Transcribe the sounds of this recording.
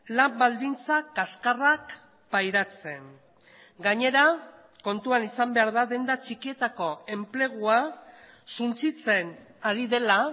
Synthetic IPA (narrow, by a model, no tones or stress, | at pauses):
lambald̪int͡sakaskarak | pajɾat͡se̞n | ɡaɲe̞ɾa | ko̞nt̪uanisambe̞aɾðaðe̞nd̪at͡ʃikie̞t̪ako̞e̞mple̞ɣ̞ua | sunt͡sit͡se̞naɾiðe̞la